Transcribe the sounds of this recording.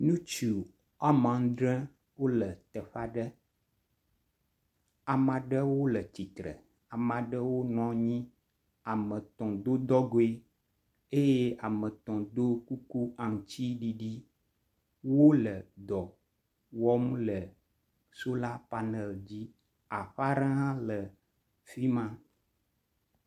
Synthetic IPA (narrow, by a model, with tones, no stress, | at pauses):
nũ˦t͡ʃu˨ | a˦mã˨ŋ˦d̪ɾɛ̃˦ | wo˦lə˨t̪ə˨ɸa˦ɖə˦ | a˨mã˨ɖə˦wo˦lə˨t͡ɕi˨t̪ɾə̰˨ | a˨mã˨ɖə˦wo˦nɔ̃˦ɲĩ˦ | a˨mə̃˨t̪ɔ̃˨d̪o˦d̪ɔ˦ɡo˦e˦ | e˦je˦a˨mə̃˨t̪ɔ̃˨d̪o˦ku˦ku˦a˨ŋ˨t͡ɕi˦ɖi˦ɖi˦ | wo˦lə˨d̪ɔ˨ | wɔ˦mlə˨ | so˦la˦pa˨nɛ˨ld͡ʑi˦ | a˨ɸa˦ɾa˦ã˦lə˨ | fi˦mã˦